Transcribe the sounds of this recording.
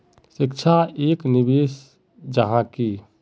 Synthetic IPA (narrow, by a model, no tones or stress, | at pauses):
sikt͡ʃʰaeknibes | d͡ʒəɦãki